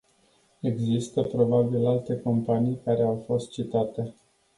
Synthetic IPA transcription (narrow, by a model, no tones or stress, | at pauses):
e̞ɡzist̪əpɾo̞babilalt̪e̞ko̞mpanijkaɾe̞awfo̞st̪̚t͡ʃit̪at̪e̞